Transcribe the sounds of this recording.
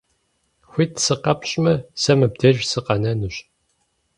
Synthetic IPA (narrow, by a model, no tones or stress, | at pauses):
xʷiːtʰsɨqɐpɕʼmɐsɐmɨb̚dɐʒsɨqɐnɐnɨɕ